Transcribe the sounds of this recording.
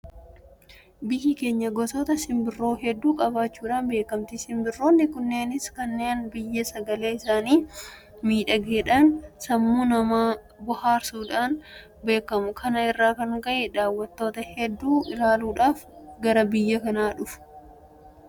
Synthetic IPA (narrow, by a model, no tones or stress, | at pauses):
bɪhɪke̞ːɲːɐɡɔsoːt̪ɐsɪmbɪrːo̞ːɦɛd̪ːuːkʼɐbaːt͡ʃːuːᶑaːnbe̞ːkɐmt̪ɪsɪmbɪrːoːnːɪkʊnːeːnɪskɐnːe̞ːnbɪjːɐsɐɡɐle̞ːɪsaːniː | miːᶑɐɡeːᶑɐnsɐmːunɐmaː | bʊhaːɾsuːᶑaːn | be̞ːkɐmʊkʰɐnɐɪrːaːkɐŋɡɐʔɛᶑaːwːɐt̪ːo̞ːt̪ɐhɛd̪ːuːʔɪlaːluːᶑaːfɡɐɾɐbɪjːɐkɐnaːᶑʊfʊ̥